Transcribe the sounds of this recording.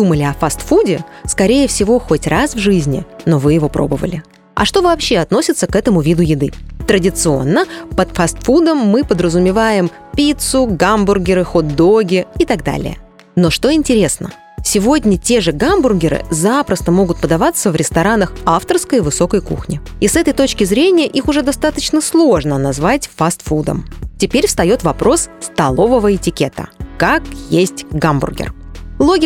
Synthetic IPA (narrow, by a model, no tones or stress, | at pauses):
d̪uməlʲɪɐfast̪fudʲɪskɐɾʲejəfsʲɪvo̞xo̞tʲrasvʐɨzʲnʲɪ̰no̞vɨjɪvo̞pɾʔo̞̰bəvə̰lʲɪ | ɐ̰ʂt̪o̞vɐːpɕːe̞ɐt̪nosʲɪt̪səkɛt̪əmʊvʲid̪ʊjɪd̪ɨt̪ɾədʲɪt̪sɨo̞̰nːəpət̪fast̪fud̪əmːɨpəd̪ɾəzʊmʲɪvajɪm | pʲit̪sʊɡambʊrɡʲɪɾɨxod̪ːoɡʲɪɪt̪aɡd̪a̰lʲɪ̰jə̰ | no̞ʂt̪o̞ɪnʲtʲɪɾʲe̞snə̰ | sʲɪvo̞dʲnʲətʲe̞ʐɨɡambʊrɡʲɪɾɨ̰zapɾəst̪əmo̞ɡʊt̪̚pəd̪ɐvat̪səvɾʲɪst̪ɐɾanəxaft̪ərskəjvɨso̞kəjkṵxnʲɪ | isɛt̪əjt̪o̞t͡ɕkʲɪzɾʲenʲɪjəʔixʊʐɛd̪ɐst̪at̪ət͡ɕnəslˠo̞ʐnənɐzvatʲfast̪fud̪ə̰mtʲɪpʲeɾʲfst̪ɐjo̞t̪vɐpɾo̞sst̪ɐlˠo̞vəvəɪtʲɪkʲet̪ə̰kakjesʲtʲɡambʊ̰rɡʲɪ̰rlˠoɡʲɪ